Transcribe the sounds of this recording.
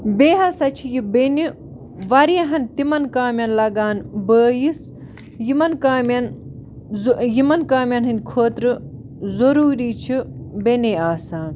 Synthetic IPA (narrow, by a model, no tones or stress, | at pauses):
beːɦɐsɐt͡ʃʰijibeni | ʋɐɾjɐɦɐnt̪imɐnkaːmʲjɐnlɐɡaːnbəːjis | jimɐnkaːmʲɐn | jimɐnkaːmjɐnɦɨnd̪ʲkʰoːt̪ɾɨ | zoɾuːɾiːt͡ʃʰibeneaːsaːn